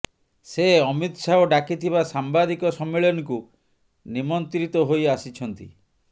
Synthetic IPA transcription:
seɔmit̪saoɖakit̪ʰiβasambad̪ikɔsɔmːeɭɔnɔku | nimɔnt̪ɾit̪ɔɦojasit͡ʃʰɔnt̪i

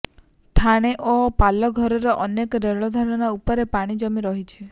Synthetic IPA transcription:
t̪ʰaɽ̃eʔopalɔɡʱɔɾɔɾɔʔɔnekɔɾeɭɔd̪ʱaɽ̃ɔñaupɔɾepaɽ̃id͡ʒɔmiɾɔɦit͡ʃʰi

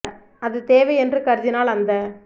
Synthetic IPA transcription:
ɐðɯt̪eːʋɐjɛndrɯkɐɾɪd͡ʒɪnaːlɐnd̪ɐ

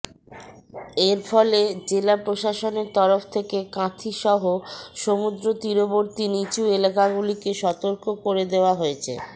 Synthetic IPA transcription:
eɾfʰɔled͡ʑelapɾoʃaʃoneɾt̪ɔɾoft̪ʰekekãt̪ʰiʃɔɦoʃomud̪ɾot̪ɾiɾoboɾt̪init͡ɕuelakaɡulikeʃɔt̪oɾkokoɾed̪eoaɦoet͡ɕʰḛ

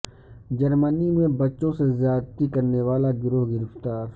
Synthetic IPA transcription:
d͡ʒɐɾmənimẽbɐtːʃõsezjaːd̪t̪ikɐɾneʋaːlaɡʊɾoɦɡɪɾɪft̪aːɾ

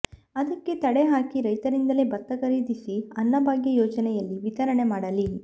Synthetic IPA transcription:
ɐd̪ɐkːe̞t̪ɐɽeɦaːkiɾɐjt̪ɐɾind̪ɐlebɐt̪ːɐkɐɾiːd̪isiɐnːɐbaːɡjɐjoːd͡ʒɐnɛjɐlːiʋit̪ɐɾɐɳe̞maːɽɐli

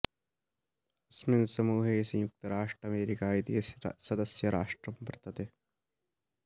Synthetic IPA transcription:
ɐsmɪnsɐmuːɦesjʊk̚t̪ɐɾaːʂʈɾɐmeːɾikaːid̪ijesɐd̪ɐsjɐɾa̰ːʂʈɾɐmpɐɾt̪ʰɐt̪e

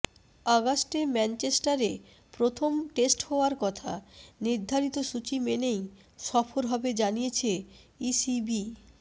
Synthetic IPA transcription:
aɡasʈemɛnt͡ɕesʈaɾe | pɾot̪ʰomʈesʈhɔoaɾkɔt̪ʰa̰niɾd̪ʱaɾit̪oʃut͡ɕimenej | ʃɔfʰoɾɦɔbed͡ʑanijet͡ɕʰeisibi

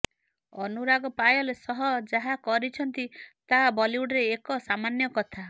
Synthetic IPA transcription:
ɔnuɾaɡɔpajɔlesɔɦɔd͡ʒaɦakɔɾit͡ʃʰɔnt̪it̪abɔliuɽɾeːkɔsamanjɔkɔt̪ʰa

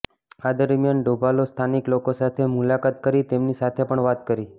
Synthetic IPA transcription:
ad̪əɾmijanɖobʱalost̪ʰaniklokosat̪ʰemulakat̪̚kəɾit̪emnisat̪ʰepəɳʋat̪kəɾi

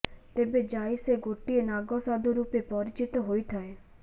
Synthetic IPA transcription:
t̪eːbed͡ʒaːiseɡʱoːʈienaːɡɔsaːd̪oɾuːpepɔɾɪt͡ʃɪt̪ɦoːit̪ʰae

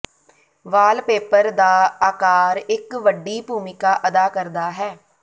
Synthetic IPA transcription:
ʋaːlpeːpəɾd̪aːaːkaːɾɪkʋəɖiːbuːmɪkaːʔəd̪aːkəɾd̪aːɦɛː

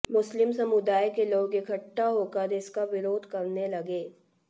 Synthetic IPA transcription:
mʊslɪmsɐmʊd̪aːjkeloːɡɪkʰəʈːaɦoːkəɾɪskaʋɪɾoːd̪ʱkɐɾnelɐɡeː

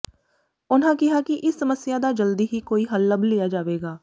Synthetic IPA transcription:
ʊn̤ãːkɪɦaːkɪʔɪsːəməsɪjaːd̪aːd͡ʒəld̪iːɦiːkoːiːɦəlːəblɪjaːd͡ʒaːʋeːɡaː

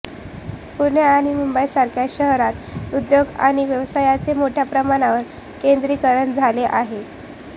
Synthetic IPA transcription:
puɾɳjaːɽ̃imumbəjsaɾkʰjaɕəɦɾat̪ud̪joɡa̰ɽ̃iʋjəʋsajat͡semoʈʰjapɾəmaɽ̃aʋəɾ | kend̪ɾiːkəɾəɳd͡zʱaleʔaɦe

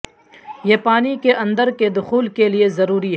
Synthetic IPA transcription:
jeːpaːnikeʔɐ̃nd̪əɾked̪ʊxuːlkeliezɐɾuːɾiɦ

